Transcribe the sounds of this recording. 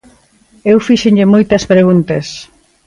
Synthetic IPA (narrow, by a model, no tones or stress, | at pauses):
ewfiʃeɲʎɪmojt̪ɐspɾeɣunt̪ɐs